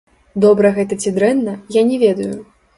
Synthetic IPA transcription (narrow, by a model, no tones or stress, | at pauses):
d̪ɔbɾɐɣɛt̪ɐt͡sʲid̪ɾɛnːɐjanʲɛvʲɛd̪ɐju